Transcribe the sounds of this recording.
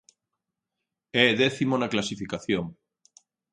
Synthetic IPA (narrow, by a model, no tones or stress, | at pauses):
eðeθimonaklasifikaθjoŋ